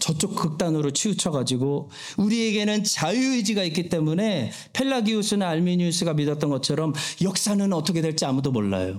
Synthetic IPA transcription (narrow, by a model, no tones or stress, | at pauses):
t͡ɕʌt͡ɕ͈ok̚k͈ɯk̚t͈anɯɾot͡ɕʰiut͡ɕʰʌɡad͡ʑiɡo | uɾie̞ɡe̞nɯnt͡ɕajuid͡ʑiɡaik͈it͈e̞mune̞ | pʰe̞ɭːaɡiosʰɯnɯnaɭmiɲus͈ʰɯɡamidʌt͈̚ʌnɡʌt͡ɕʰʌɾʌmjʌk̚s͈anɯnʌt͈ʰʌkʰedwe̞ɭt͡ɕ͈iamudomoɭːa̰jo